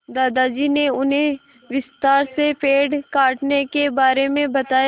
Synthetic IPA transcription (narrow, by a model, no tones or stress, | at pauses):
d̪aːd̪ad͡ʒineʊnɦẽ | ʋɪst̪aːɾsepeːɖkaːʈnekebaːɾemẽbɐt̪aːj